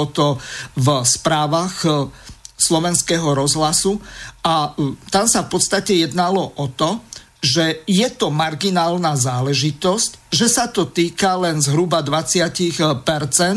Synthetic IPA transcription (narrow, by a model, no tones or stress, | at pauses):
ɔt̪ɔvspɾaːʋaɣ | slɔʋɛnskɛɦɔɾɔzɦlasuat̪amsafpɔt̪st̪acɛjɛd̪nalɔʔɔt̪ɔ | ʒɛjɛt̪ɔmaɾɡinaːlnazaːlɛʒit̪ɔscʒɛsat̪ɔt̪iːkalɛnzɦɾubad̪ʋat͡sɪacixpɛɾt͡sɛn